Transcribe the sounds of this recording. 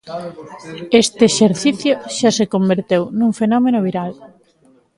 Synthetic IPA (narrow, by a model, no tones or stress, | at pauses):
est̪eeʃeɾθiθjoʃasekombeɾt̪ewnũŋfenɔmenoβ̞iɾal